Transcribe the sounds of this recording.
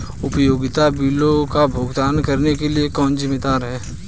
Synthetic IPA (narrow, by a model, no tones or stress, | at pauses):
ʊpəjoːɡɪt̪abiːlokabʱoːɡd̪aːnkɐɾnekeliekɔːnzɪmːed̪aːɾɦɛː